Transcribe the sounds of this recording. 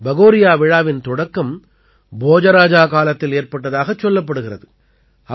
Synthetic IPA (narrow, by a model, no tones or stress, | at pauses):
bɐɣoːɾɪjaːʋɪɻaːʋɪnt̪ɔɽɐkːɐm | boːd͡ʒɐɾaːd͡ʒaːkaːlɐt̪ːɪleːɾpɐʈːɐðaːɣɐt͡ʃːɔlːɐp̬ːɐɽɯɣɪrɐðɯ | ɐ